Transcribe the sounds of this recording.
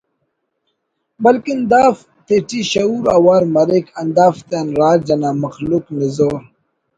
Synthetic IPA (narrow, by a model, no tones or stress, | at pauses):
bɐlkind̪aːf | t̪eʈiɕɐuɾawaːɾmɐɾikɐnd̪aːft̪enɾaːɾd͡ʑɐnamɐxluknizoɾ